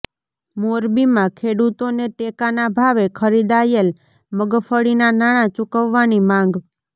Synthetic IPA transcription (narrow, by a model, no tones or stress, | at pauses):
moɾbimãkʰeɽut̪oneʈekanabʱaʋekʰəɾid̪ajel | məɡfəɽinanaɽ̃ãt͡ʃukəʋːanimãŋ̆ɡ